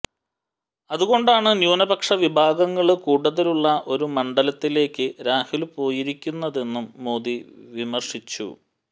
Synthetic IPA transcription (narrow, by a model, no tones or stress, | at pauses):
ɐðuɣo̞ɳɖaːɳɨnjuːnɐbɐkʂɐʋibʱaːɡɐŋːɐɭkuːɽuðɐluɭːɐʔo̞ɾumɐɳɖɐlɐt̪ːile̞ːkʲːɨɾaːhilpo̞ːjiɾikʲːunːɐðe̞nːumːo̞ːðiʋimɐrʂit͡ɕːṵ